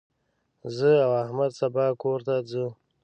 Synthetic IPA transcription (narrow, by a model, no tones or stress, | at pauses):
zəawahmad̪sabɑːkoɾt̪ad͡zə